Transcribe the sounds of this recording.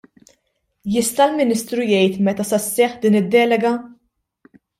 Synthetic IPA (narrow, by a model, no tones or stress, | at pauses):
jɪst̪ɐlmɪniːst̪ɾujɛjt̪mɛt̪ɐsɐsːɛħd̪iːnɪd̪ːɛːlɛɡɐ